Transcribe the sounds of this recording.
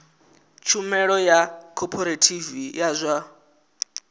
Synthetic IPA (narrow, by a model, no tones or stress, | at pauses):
t͡ʃʰumɛɺɔjakʰɔpʰɔɾatʰivijazʷa